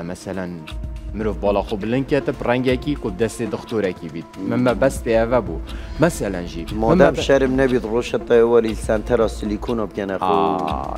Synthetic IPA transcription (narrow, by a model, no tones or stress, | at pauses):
mɛsælænmɨɾovbɑːlɑxobəlɨnd̪̚kʲʰɛt̪ɨprɛŋɡɛkiːkob̚d̪ɛst̪eːd̪ɨxt̪uɾɛkibiːt̪̚mɨmɛbɛst̪eɛvɛbṵmɛsɛlænʒḭmɔmd̪æmʃɛɾəmnɛbit̪roːʃɛt̪ɛewɛlisɛnt̪ʰɛɾɑːsilikʰunɑːb̚kʲɛnɛxo̰